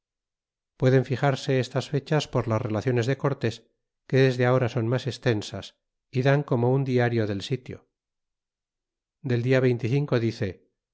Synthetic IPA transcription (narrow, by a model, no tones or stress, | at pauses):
pwe̞ðe̞ɱfiχaɾse̞est̪asfe̞t͡ʃaspo̞ɾlazre̞laθjo̞ne̞zðe̞ko̞ɾt̪e̞s | ke̞ðe̞zðeao̞ɾaso̞nmase̞st̪e̞nsas | iðaŋko̞mo̞und̪iaɾjo̞ðe̞lsit̪jo̞̰ | d̪e̞ld̪iaβejnt̪iθiŋko̞ðiθe̞